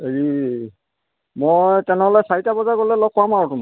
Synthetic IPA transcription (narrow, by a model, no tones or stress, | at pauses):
eɹi | mojjtɛnɛɦɔlɛsaɹitabɔzakɔlɛlɔk̚kːʊamaɹɔtʊmɔ